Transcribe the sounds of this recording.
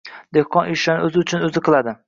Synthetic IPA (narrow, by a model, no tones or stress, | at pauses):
d̪ehqʰɒnʔɪ̥ʃanɪɵzɪʊt͡ʃʰʊnɵzɪqʰɨlˠad̪ɪ